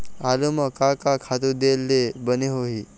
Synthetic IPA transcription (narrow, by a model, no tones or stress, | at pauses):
aluməkakakʰat̪ud̪elːebəneɦoɦi